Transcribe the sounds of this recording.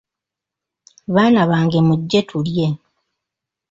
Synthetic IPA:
βaːnaβaːŋɡe̞muɟːe̞tʰulje̞

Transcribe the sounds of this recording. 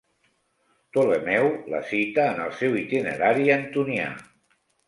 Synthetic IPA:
t̪olemɛwlə̰sit̪əːnəlˠsɛwit̪inə̰ɾaɾiənt̪unia̰

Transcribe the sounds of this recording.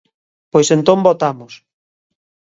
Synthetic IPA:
pojsent̪õmbot̪amʊs

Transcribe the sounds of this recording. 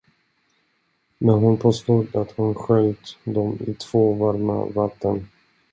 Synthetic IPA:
mɛnɦʊnpʰoːst̪uːd̪at̪hʊnɧœlt̪d̪ɔmɪ̰t̪ʰv̥oːvaɾma̰vat̪ːən

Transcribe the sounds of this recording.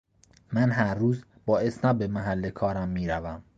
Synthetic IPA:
mænɦæɾːuːz | bɒːe̞snæbemæɦælːekʰɒːɾæmːiːɾævæm

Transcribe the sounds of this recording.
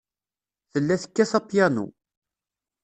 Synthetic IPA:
θəlːæθə̥kːæθɑpjænṵ

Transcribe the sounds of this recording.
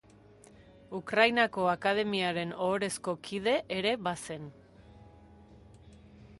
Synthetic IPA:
ukɾajnako̞akaðe̞miaɾe̞noːɾe̞sko̞kʰið̞e̞ʔːɾe̞βase̞n

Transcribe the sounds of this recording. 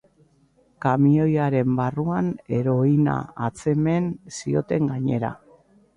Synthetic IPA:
kamio̞jaɾe̞mbaruane̞ɾo̞ina̰at͡se̞me̞nsio̞̰t̪e̞ŋɡaɲe̞ɾa̰

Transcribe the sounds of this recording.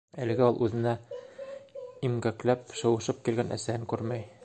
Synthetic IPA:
ælɘ̆ɡɘɒlˠʔʉðɘ̆næ | imɡæklæpʃɤ̆wɤ̆ʃɤp̚kilɡænʔæ̰sæhɘŋkʉɾmæj

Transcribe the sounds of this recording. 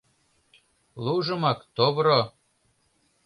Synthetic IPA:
lˠuʒɤ̆mɑkt̪oβɾo

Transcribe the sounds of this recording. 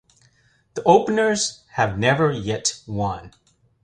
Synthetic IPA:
ðiʔoʊpənə˞z̥ | hɨvnɛvə˞jɛtwʌ̃n

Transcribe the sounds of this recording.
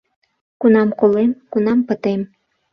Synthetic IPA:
kunɑmkolemkunɑmpə̆t̪em

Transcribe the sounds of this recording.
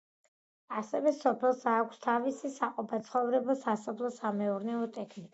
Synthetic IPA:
asɛvɛsɔpʰɛlˠsaːkʷʰst̪ʰavisisaqʼɔpʰat̪sʰχɔvɾɛbɔsasɔpʰlˠɔsamɛuɾnɛɔt̪ʼɛkʰnikʼ

